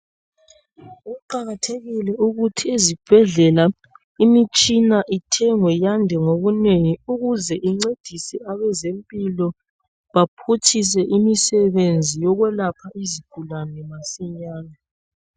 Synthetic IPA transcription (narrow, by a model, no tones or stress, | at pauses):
uǃaɣatʰeɣilɛuɣutʰiezib̥ʱɛɮɛla | imit͡ʃʼinaʔitʰɛŋwɛjandʱɛŋoβuneŋiuɣuzɛʔiŋ͡ǀed̥ʱisɛaβɛzempʼilɔ | βapʰutʰis̬ɛʔimisɛβend͡zʱijɔɣwɛlapʰaiziɡ̥ʱulanɛmasiɲaːna